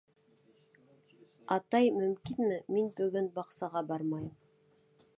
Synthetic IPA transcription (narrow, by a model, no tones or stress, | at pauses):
ɑt̪ɑjmɵmkʲinmɘmenbɵɡʲɘnbɑqsɑʁɑbɑɾmɑjm